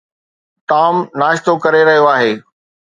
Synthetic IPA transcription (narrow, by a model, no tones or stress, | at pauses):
t̪aːmnaːʃt̪okɐɾeɾɐɦijoaːɦeː